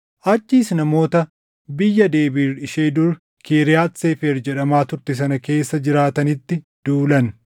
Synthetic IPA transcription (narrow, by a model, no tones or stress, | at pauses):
ʔɐt͡ʃːiːsnɐmo̞ːt̪ɐ | bɪjːɐd̪e̞ːbiːrɪʃeːd̪ʊɾ | keːɾɪjaːt̪seːfeːɾd͡ʒɛᶑɐmaːt̪ʊɾt̪ɪs̬ɐnɐke̞ːsːɐd͡ʒɪɾaːt̪ɐnɪt̪ːɪ | d̪̥uːlɐn